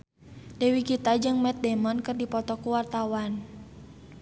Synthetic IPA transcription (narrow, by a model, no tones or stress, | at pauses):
dɛwikit̪ad͡ʒɨŋmɛt̪̚dɛmɔnkɨrdipɔt̪ɔkuwart̪awan